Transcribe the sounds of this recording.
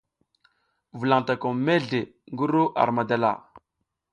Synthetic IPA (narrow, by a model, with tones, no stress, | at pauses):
vu˨la˨ŋta˨ko˨me˦ɮe˨ | ŋɡu˦ɾu˦ʔa̰˨ɾma˨da˨la̰˨